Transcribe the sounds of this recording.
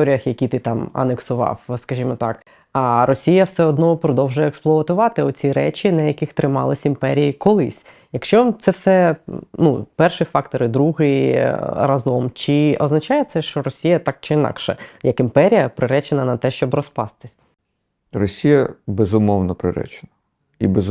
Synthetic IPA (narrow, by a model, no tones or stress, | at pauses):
ɔɾʲijɐxjɐkʲit̪ɪt̪ɑmɐ̰neksʊʋɑ̰wskɐʒʲimɔt̪ɑk | ɐɾɔsʲijɐwsɛɔd̪nɔpɾɔd̪ɔwʒʊjɛɛksplˠɔɐt̪ʊʋɑt̪ɪɔt͡sʲiɾɛt͡ʃinɐjɐkɪxt̪ɾɪmɑ̰lˠɪsʲimpɛɾʲijikɔlˠɪ̰sʲ | jɐkʃt͡ʃɔt̪sɛwsɛnupɛrʃifɑkt̪ɔɾɪd̪ɾuɦɪiɾɐzɔmt͡ʃɪɔznɐt͡ʃɑjɛt̪sɛʃt͡ʃɔɾɔsʲijɐt̪ɑk̚t͡ʃɪinɑ̰kʃɛjɐkɪmpɛɾʲijɐpɾɪɾɛt͡ʃenɐnɐt̪ɛʃt͡ʃɔbrɔspɑ̰st̪ɪ̥sʲ | rɔsʲijɐbezʊmɔwnɔpɾɪɾɛ̰t͡ʃe̥nɐ | ibez